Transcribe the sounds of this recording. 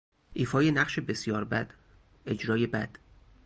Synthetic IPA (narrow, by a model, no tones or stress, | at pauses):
ʔiːfɒːjenæɣʃebe̞sjɒːɾbæd̪̥ | e̞d͡ʒɾɒːje̞bæd̪̥